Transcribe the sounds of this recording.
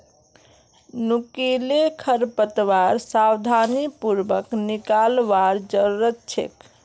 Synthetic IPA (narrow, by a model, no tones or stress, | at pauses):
nukilekʰəɾpət̪ʋaɾsawd̪ʱanipuɾbəknikalʋaɾd͡ʒəɾuɾətt͡ʃʰḛk